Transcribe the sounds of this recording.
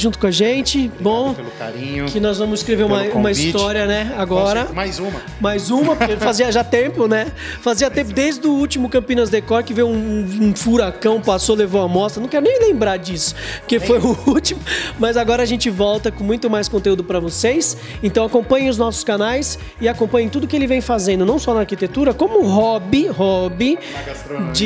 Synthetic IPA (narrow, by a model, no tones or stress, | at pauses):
ʒũt̪ʊkõɐaʒẽnt͡ʃɪbõw̃lka̰ɾĩɲʊkɪnɔzvɐ̃mʊzɪskɾeveɾũmɐũmɐist̪ɔɾiɐnɛaɡɔɾɐmajzũmɐ | majzũmɐpkefaziɐʒat̪ẽpʊnɛ | faziɐt̪ẽmpʊd̪ejzd̪ʊut͡ʃimʊkɐ̃mpĩnɐzd̪ekɔɾkɪvejwũũfuɾakɐ̃w̃pasolevõw̃ɐmɔst̪ɐnɐ̃w̃kɛɾʊnẽj̃lẽmbɾaɾd͡ʒisʊ̥poɾkefojʊut͡ʃimʊmɐzaɡɔɾɐaʒẽnt͡ʃɪvɔwt̪ɐkõmũj̃t̪ʊmajskõnt̪eud̪ʊpɾɐvosejs | ẽnt̪ɐ̃w̃akõpɐ̃ɲẽʊznɔsʊ̥skanajs | ɪakõpɐ̃ɲẽt̪ud̪ʊkɪelɪvẽj̃fazẽnd̪ʊnɐ̃w̃sɔnɐaːɾkit̪et̪uɾɐkõmʊɦɔbɪɦɔbɪ | d͡ʒɪ